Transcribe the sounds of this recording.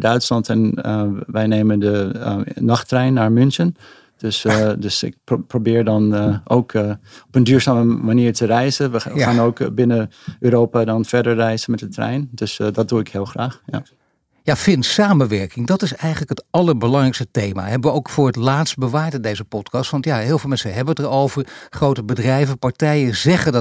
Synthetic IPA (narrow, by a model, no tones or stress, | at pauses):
dœɥtslɑntɛnʋɛjneːməndənɑχtrɛjnːaːɹmʏnsən | d̥øsdøsɪ̰k̚probɪːɹdɔnʔo̰wkɔpəndyːɹzaːməmaniːɹtərɛjzəʋəxaːnoːkbɪnə | øːɾoːpadɑnfɛɹdəɹrɛjzənmɛt̚dətrɛ̰jndøsdɔt̚duɪkhɪːlˠχraːχja̰ | jaːfɪntsaːmənʋɛɹkɪŋdɑtɪsɛjχənləkɦətɑləɹbəlɑŋrɛjkstətejma̰ɦɛbəʋəowkfʊːɹɦətlaːtst̚bəʋaːtədejzəpɔtkɑstʋɑntjaɦɪːlˠvɪlˠmɛnsəɦɛbənətəɹowvəɹχrowtəbədrɛjvəpɑɹtɛjəzɛχəd